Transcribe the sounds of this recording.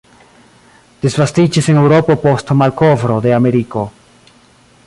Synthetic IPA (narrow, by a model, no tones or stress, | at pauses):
d̥esvastid͡ʒise̞ne̞wɾo̞po̞po̞stmalko̞vɾo̞de̞ame̞ɾiko̞